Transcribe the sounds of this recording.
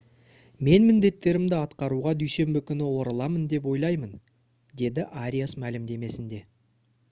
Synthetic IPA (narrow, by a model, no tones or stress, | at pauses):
me̞nmɪnd̪e̞t̪ːe̞ɾɪmd̪ɪɑt̪qɑɾuʁɑd̪yjse̞mbɪkʲʰʏnɪwo̞ɾəlˠɑmənd̪e̞p̬wo̞jlˠɑjmən | d̪e̞d̪ɪʔaɾʲijasmælɪmd̪e̞me̞sɪnd̪e̞